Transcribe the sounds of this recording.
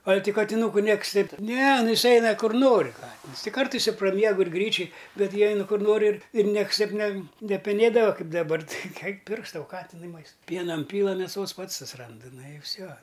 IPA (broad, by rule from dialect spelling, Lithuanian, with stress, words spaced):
ɐlʲ tʲɪ kɐtʲɪˈnuːkʊ ˈnʲiɛksʲˈtʲɛɪp ˈnʲɛ ˈnʊ ˈɪs ˈɛɪnɐ ˈkʊr ˈnoːrʲɪ ˈkɑːtʲɪns tʲɪ ˈkɐrtɐɪs ɪ prɐˈmʲiɛɡʊ ɪr ˈɡrʲiːt͡ʃʲʊj ˈbʲɛt ˈjiɛ ˈɛɪnʊ ˈkʊr ˈnoːrʲɪ ɪr ɪr ˈnʲiɛks ˈtʲɛɪp ˈnʲɛ nʲɛpʲɛˈnʲeːdɐʋɐ ˈkɐɪp dɐˈbɐr tʲɪ ɛɪk ɛɪk ˈpʲɪrks ˈtɐʊ ˈkɑːtʲɪnʊɪ ˈmɐɪst ˈpʲiɛnɐ ˈɪnʲpʲiːlˠɐ mʲeːˈsoːs ˈpɐts sʊsʲɪˈrɐndɨ ˈnʊ ɪ ˈfʲsʲoː